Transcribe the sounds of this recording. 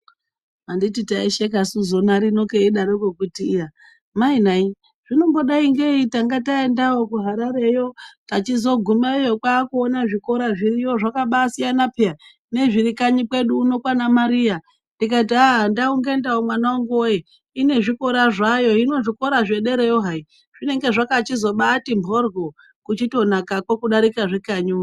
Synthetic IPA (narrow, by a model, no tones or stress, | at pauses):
mandititaiʃek̬asuzo̞naɾino̞keiɗaɾokwekutiːja | mainai | ʐ̥ino̞mbo̞ɗaiŋɡeitaŋɡataendawo̞kuɦaɾaɾe̞jo̞tat͡ʃizo̞ɡʱumaejokwaːkuonaʐiko̞ɾaʐirijo̞ʐakaɓaːsijanapea | ne̞ʐiɾikaɲikwe̞ɗuːno̞kwanamaɾia | ndikaitaɦandauŋɡe̞ndaomwanauŋɡoe | ine̞ʐiko̞ɾaʐajo̞ino̞ʐiko̞ɾaʐe̞ɗe̞ɾejoɦai | ʐ̥ine̞ŋɡe̞ʐakat͡ʃizo̞ɓaːtimbʱo̞rɡo̞ | kut͡ʃito̞nakakwokuɗaɾikaʐikaɲu